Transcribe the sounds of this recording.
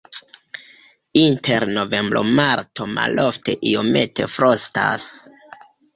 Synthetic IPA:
intʰeɾno̞ve̞mbɾo̞̰maɾtʰoma̰lo̞ftʰe̞ʔiome̞tʰe̞̰fɾosta̰s

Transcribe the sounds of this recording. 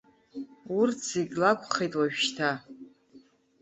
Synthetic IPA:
urtʰz̥eɡʲlakʷʰʼχejtʼwaɥᶣʃtʰa

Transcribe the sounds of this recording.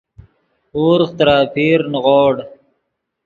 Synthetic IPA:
uːɾqt̪ɾaːpʰiːɾnʁoːɽ

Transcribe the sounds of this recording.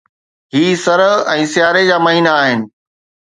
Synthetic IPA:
ɦiːsɐɾɦɛ̃ːsɪjaːɾed͡ʑaːmɐɦiːnaːɦɪnɪ̆

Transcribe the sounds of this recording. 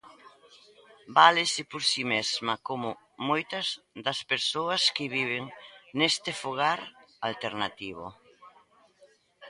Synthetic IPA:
balɪsɪpoɾsimezmɐkomʊ | mojt̪ɐz | ðɐspeɾsoɐskɪβiβ̞eŋnest̪ɪfoɣ̞aɾalt̪eɾnat̪iβʊ̰

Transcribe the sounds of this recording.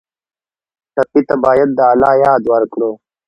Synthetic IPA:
tɐpit̪abaːjɐd̪ːəaːlaːjaːd̪wɐɾkɽuː

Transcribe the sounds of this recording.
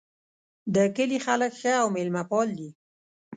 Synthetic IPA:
d̪əkəlixaləkxəawmelmapɑld̪i

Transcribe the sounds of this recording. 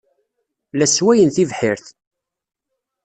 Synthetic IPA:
læswæjənθivħɪɾθ

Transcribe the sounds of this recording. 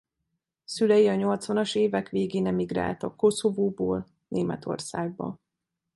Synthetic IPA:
sylɛjiɒɲo̞lt̪sʋɒnɒʃeːvɛkʋeːɡeːnɛmiɡra̰ːlt̪ɒkːo̞so̞voːboːl | neːmɛ̰t̪ʰo̞̰rsaːɡ̚bɒ̰

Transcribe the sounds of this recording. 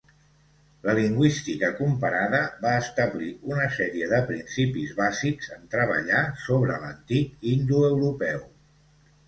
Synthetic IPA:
ləliŋɡwist̪ikəkumpəɾaðəβaəst̪əβliunəsɛɾiəðəpɾinsipizβazikzənt̪ɾəβə̰ʎasoβɾələnt̪ikind̪uəwɾupɛw

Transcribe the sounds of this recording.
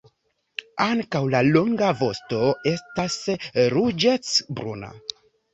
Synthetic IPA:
aŋkawlalo̞ŋɡavo̞sto̞e̞stasɾud͡ʒet͡sbɾṵna̰

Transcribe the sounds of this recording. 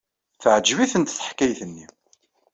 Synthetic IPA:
θəʕd͡ʒviθənt̪θə̥ħkæjθənːḭ

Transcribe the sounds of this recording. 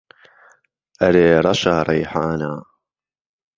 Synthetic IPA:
ʔɐɾeːɾˤɑʃaːɾˤɑjħaːnaː

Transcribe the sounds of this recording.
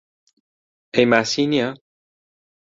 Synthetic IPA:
emasinja

